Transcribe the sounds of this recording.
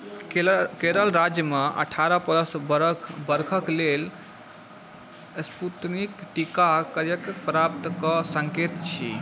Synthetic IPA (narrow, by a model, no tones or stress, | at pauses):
keɾəlɾad͡ʒjəməʔə̰ʈʰaɾəpələsbɾʰbəɾkʰəklel | sput̪nikʈikakəɾjəkpɾap̚t̪kəsəŋket̪t͡ʃʰḭ